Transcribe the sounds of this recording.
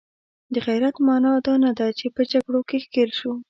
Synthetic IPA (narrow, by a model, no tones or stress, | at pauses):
d̪əɣajɾat̪mɑnɑd̪ɑnad̪at͡ʃepəd͡ʒaɡɽokexkeɾʃu